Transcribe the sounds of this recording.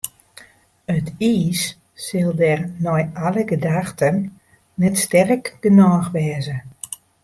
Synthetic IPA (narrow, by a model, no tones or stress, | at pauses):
ətiːsː | ɪlˠdɛrnɔjʔaləɡədaxtənː | ɛtstɛrkd̥ənɔːxʋɛːzə